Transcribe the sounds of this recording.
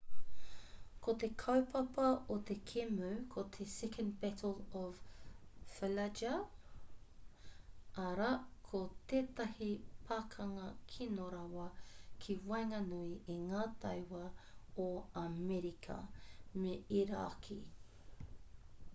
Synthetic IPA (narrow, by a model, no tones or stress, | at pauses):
kʰot̪ekʰɐwpʰɐpɐot̪ekʰemuwkʰot̪ʰesɛkʰə̃nbɛtəlˠɔv | fəlad͡ʒɐ | ʔɐɾakʰot̪eːt̪ɐhipʰaːkʰɐŋɐkʰinoɾɐwɐkʰiwɐjŋɐnuiʔiŋaːt̪ɐjwɐoɐmɛɾikʰɐ̰meiɾaːkʰi